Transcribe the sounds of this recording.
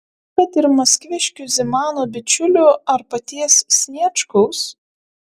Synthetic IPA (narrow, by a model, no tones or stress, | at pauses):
kɐt̪ɪɾmɐsʲkʲʋʲɪʃʲkʲʊzʲɛmɑːnoːbʲɪt͡ʃʲʊlʲʊɐɾpɐt̪ʲiɛssʲnʲiɛt͡ʃkɔʊs